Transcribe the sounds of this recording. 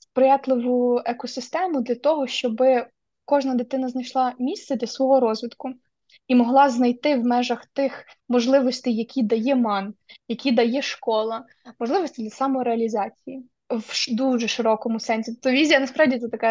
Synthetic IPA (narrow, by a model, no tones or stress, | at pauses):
spɾɪjɑt̪lˠɪʋʊɛkɔsɪst̪ɛmʊd̪lʲɐt̪ɔɦɔʃt͡ʃɔbɪ | kɔʒnɐd̪ɪt̪ɪnɐznɐjʃlˠɑmʲist̪sɛd̪ʲlʲɐsʋɔɦɔɾɔzʲʋʲid̪kʊ | imɔɦlˠɑznɐjt̪ɪwmɛʒɐxt̪ɪxmɔʒlˠɪʋɔsʲt̪ɛjːɐkʲid̪ɐjɛmɑnjɐkʲid̪ɐjɛʃkɔlˠɐ | mɔʒlˠɪʋɔsʲtʲid̪ʲlʲɐsɑmɔɾeɐlʲizɑt͡sʲiji | ʃd̪uʒɛʃɪɾɔkɔmʊsɛnʲsʲit̪ɔt̪ːɔʋʲizʲijɐnɐspɾɑwdʲit̪sɛt̪ɐkɛ